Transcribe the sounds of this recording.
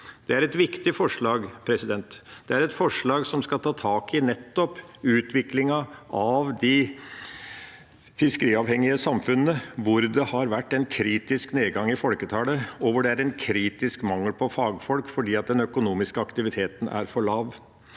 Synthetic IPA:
d̪̥ɛæɾɛt̪ʋɪkt̪ɪfɔʂɭɑːɡpʰɾɛsɪd̪ɛnt̪d̪̥ɛæɾɛt̪fɔʂɭɑːɡsɔmskɑlt̪ʰɑːt̪ʰɑːkɪnɛt̪ːɔpʉːt̪ʰʋɪklɪŋɑʔɑʋd̪ɪ | fɪskəɾiːɑʋhɛŋːɪəsɑmfʉnənəʋʊɾd̪ɛhɑɾʋæʈːɛnkʰɾiːt̪ɪskneːɡɑŋːɪfɔlkət̪ʰɑːləɔʋəɖɛæɾɛnkʰɾiːt̪ɪskmɑŋːəlpʰɔfɑːɡfɔlkfɔɖiːɑt̪̚d̪ɛnœkʊnuːmɪskəɑkt̪ɪʋɪt̪ʰeːt̪ən̩æ̰ɾfɔɭɑːʋ

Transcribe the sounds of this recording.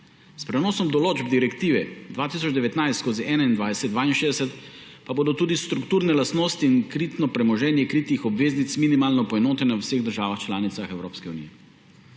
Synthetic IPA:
spɾɛnɔːsɔmd̪ɔloːd͡ʒbd̪iɾɛkt̪iːʋɛd̪ʋaːt̪iːs̬ɔt͡ʃd̪ɛʋɛt̪najst̪koːziʔɛːnaind̪ʋaːjɛsɛt̪d̪d̪ʋaːinʃeːd̪ɛsɛt̪ | paboːd̪ɔt̪uːd̪ist̪ɾukt̪uːɾnɛlast̪noːst̪iinkɾiːt̪nɔpɾɛmɔʒɛːnjɛkɾiːt̪ixɔbʋeːznit̪sminimaːlnɔpɔɛnoːt̪ɛnɛwwseɣd̪əɾʒaːʋaxt͡ʃlaːnit̪saxɛwɾoːpskɛunijɛ

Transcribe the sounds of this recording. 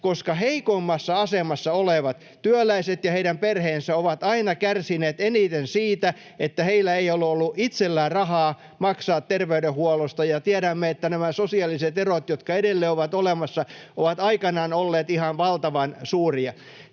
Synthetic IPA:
koskɑheikomːɑsːɑɑsemɑsːɑoleʋɑt̪ | t̪yølæiset̪jɑheidæmperheːnsæoʋɑt̪ɑinɑkærsineːt̪enit̪ensiːt̪æ | et̪ːæheilːˑæeiolːuolːuʔit̪selːæːrɑhɑː | mɑksɑːt̪t̪erʋeyɾehuɔlost̪ɑjɑt̪iæɾæmːeet̪ːænæmæsosiɑlːˑiset̪erot̪jot̪kɑedelːeːoʋɑt̪olemɑsːɑoʋɑt̪ɑikɑnɑːnolːeːt̪ihɑnʋɑlt̪ɑʋɑnsuːriɑ

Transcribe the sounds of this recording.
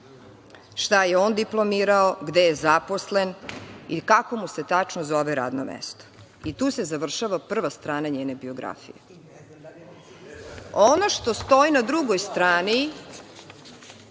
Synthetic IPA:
ʃt̪ajeoːnd̪iplˠo̞miːɾaoɡd̪ejezapo̞sle̞nikako̞muse̞t̪at͡ʃnozo̞ʋeɾa̰ːd̪no̰mḛst̪o̥ | it̪uːse̞zaʋr̩ʃaʋapr̩ʋast̪ɾaːnaɲeːnebioɡɾa̰fḭje | ono̞ʃt̪o̞st̪o̞inad̪ɾuɡojst̪ɾaːni

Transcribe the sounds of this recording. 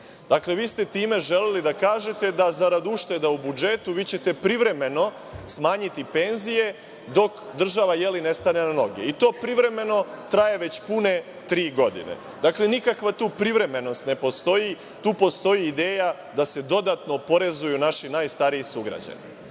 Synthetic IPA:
d̪̥akle̞ʋiːst̪e̞t̪iːme̞ʒe̞lelid̪akaːʒe̞t̪e̞d̪azaɾad̪uʃt̪e̞d̪aubud͡ʒe̞t̪uʋiːt͡ɕe̞t̪e̞pɾiʋɾe̞me̞no̞ | smaːɲit̪ipe̞nzije̞ | d̪o̞kd̪r̩ʒaʋajeline̞st̪ane̞nano̞ɡeit̪o̞ːpɾiʋɾe̞me̞no̞t̪ɾajeʋe̞t͡ɕpune̞ | t̪ɾiːɡo̞d̪ḭnḛ | d̪aklenikakʋat̪uːpɾiʋɾe̞me̞no̞st̪ne̞post̪o̞ji | t̪uːpo̞st̪o̞jiːd̪eːja | d̪ase̞d̪o̞d̪at̪no̞po̞ɾe̞zujunaʃinaːjst̪aɾiisuɡɾa̰d͡ʑa̰nḭ

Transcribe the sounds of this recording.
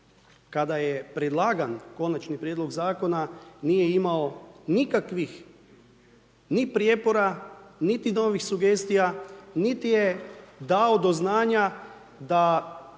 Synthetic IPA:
kad̪ajepɾed̪lˠaːɡanko̞nat͡ʃnipɾʲjed̪lˠo̞ɡzaːko̞nanije̞imaonikakʋix | nipɾjepo̞ɾanit̪ino̞ːʋixsuɡe̞ːst̪ijanit̪ijed̪aod̪o̞znaːɲa | d̪a

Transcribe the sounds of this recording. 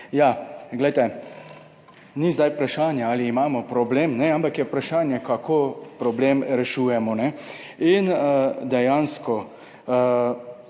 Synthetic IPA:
jaɡlɛjt̪ɛ | nizd̪ajpɾaʃaːnjaaːliːmaːmɔpɾɔbleːmnɛampakjɛpɾaʃaːnjɛkakʰopɾɔbleːmɾɛʃuːjɛmɔnɛ | ind̪ɛjanskɔ

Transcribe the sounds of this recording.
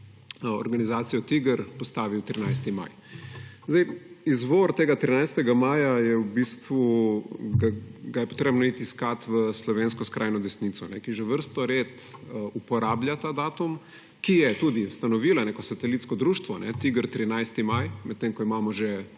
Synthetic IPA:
o̰ɾɡanizaːt̪sijɔt̪iɡəɾpɔst̪aːʋiwt̪ɾinajst̪ima̰j | zd̪ajizʋoɾt̪eːɡat̪ɾinajst̪ɛɡamaːjajɛwbist̪ʋuɡaɡajɛpo̥t̪ɾeːbnɔit̪iskat̪ʋəslɔʋeːnskɔskɾʔaːjnɔd̪ɛsnit̪sɔnɛkiʒɛʋəɾst̪ɔɾeːt̪ | upɔɾaːbljʲat̪ad̪aːt̪um | kijɛt̪ud̪iust̪anɔʋiːlaneːkɔsat̪ɛlit̪skɔd̪ɾuʃt̪ʋɔnɛt̪iɡəɾt̪ɾinajst̪imajmɛt̪ːeŋkɔimaːmɔʒɛ

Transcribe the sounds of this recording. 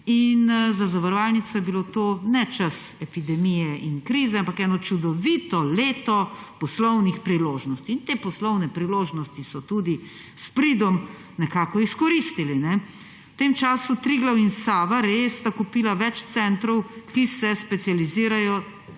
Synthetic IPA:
inzazaʋəɾɔʋaːlnit̪sɔjɛbilot̪oːnɛt͡ʃəsɛpid̪ɛmijɛʔinkɾizɛampakɛːnɔt͡ʃud̪ɔʋiːt̪ɔleːt̪ɔpɔslɔwnixpɾiloːʒnɔst̪iːnt̪eːpɔslɔwnɛpɾiloːʒnɔst̪isɔt̪ud̪i | spɾid̪ɔm | nɛkaːkɔiskɔɾist̪ilinɛ | t̪emt͡ʃaːsut̪ɾiɡlawinsaːʋaɾest̪akupiːlaʋɛt͡ʃt̪sɛnt̪ɾɔwkisɛspɛt̪sijaliziːɾajɔ

